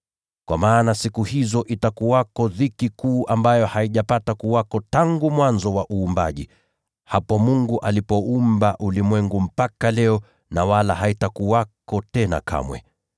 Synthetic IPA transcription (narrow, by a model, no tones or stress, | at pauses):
kwamaːnasikuhizɔʔitakuwakɔðikikuːʔambajɔhaiʄapatakuwakɔtaŋɡumwanzɔwaʔuːmba̰ʄi | hapɔmuŋɡuʔalipɔumbaʔulimwɛŋɡum̩pakalɛɔ | nawalahaitakuwakɔtɛna̰kʰa̰mwɛ̰